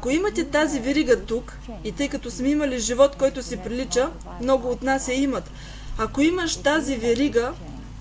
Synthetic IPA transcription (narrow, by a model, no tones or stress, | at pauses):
ɐkoimɐt̪ʲɛt̪azivɛɾiɡət̪uk | it̪ɤjkɐt̪ɔsmɛimɐliʒivɔt̪kɔjt̪ʊsɛpɾilit͡ʃə | mnɔɡʊːt̪nasɛimɐt̪ | ɐkoimɐʃt̪azivɛɾiɡə